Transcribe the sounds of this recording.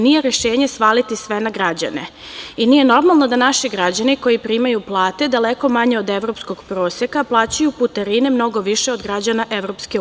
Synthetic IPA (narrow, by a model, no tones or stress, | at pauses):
nije̞ɾeʃeːɲesʋaːlit̪isʋenaɡɾad͡ʑa̰ne̞̰ | inije̞no̞ɾmalˠno̞d̪anaʃiɡɾad͡ʑaniko̞jipɾimajuplˠaːt̪e̞d̪aleko̞maɲe̞od̪eʋɾo̞psko̞ɡ̥pɾoːsjekaplˠaːt͡ɕajuput̪aɾinemno̞ɡo̞ʋiʃeod̪ɡɾad͡ʑanaʔeʋɾo̞pske